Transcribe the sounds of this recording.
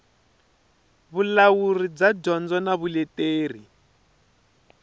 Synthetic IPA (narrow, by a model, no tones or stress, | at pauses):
βulawurid͡zaɟɔnd͡zɔnaβulɛteːr̤i